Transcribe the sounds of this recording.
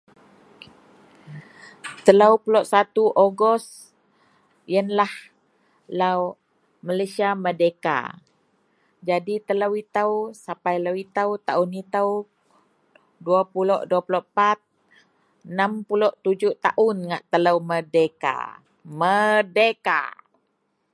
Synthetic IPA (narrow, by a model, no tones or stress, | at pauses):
t̪ələwpuloʔsat̪uʔoɡɔs | jənlah | law | malasiamədeka̰ | d͡ʒadit̪ələwit̪əwsapajlawit̪əwt̪aunit̪əw | duapulɔʔduapuloʔpat̪̚ | ənampulɔʔt̪ud͡ʒuʔt̪aʔʊnŋaʔt̪ələwmədeka̰ | mədeka̰